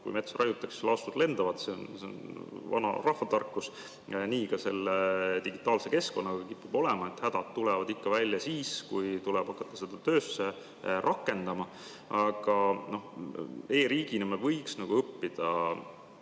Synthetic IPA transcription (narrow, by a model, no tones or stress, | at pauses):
kṵjme̞t̪sorʔɑjut̪ːˑɑkselʔɑost̪ud̪le̞nd̪̥ɑvɑt̪se̞onseo̰nvɑ̰nɑ̰rɑhvɑt̪ɑrkˑːus | niːkɑse̞lːet̪iɡit̪ːˑɑːlse̞ke̞sko̞nːɑɡ̥ɑkipːub̥o̞lɛmɑet̪hæd̪̥ɑd̪̚t̪ulɛvɑd̪ikːɑvælʲjɑsiːskujt̪ulɛb̥ɑkːˑɑt̪ːˑɑ̥se̞d̪̥ɑt̪øːsːe | rʔɑkːˑe̞nd̪̥ɑmɑ | ɑɡ̥ɑno̞he̞ːɾiːɡ̥inimelvɤjksnɑɡ̥uɤpːid̪̥ɑ